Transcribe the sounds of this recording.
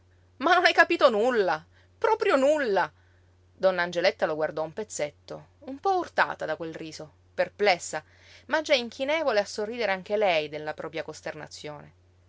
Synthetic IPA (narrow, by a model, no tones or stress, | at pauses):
manːonɛjkapiːt̪onulːa | pɾɔːpɾjonulːa | d̪ɔnːaːnd͡ʒelet̪ːaloɡward̪ɔumpet̪sːet̪ːo̰ | umpɔurt̪a̰ːt̪ad̪akwelriːso | perplɛsːa | mad͡ʒːaiŋkʰinɛːvoleasːorːiːd̪eɾeaŋk̟elɛjd̪elːapɾɔːpɾjakost̪erna̰t̪sːjoːne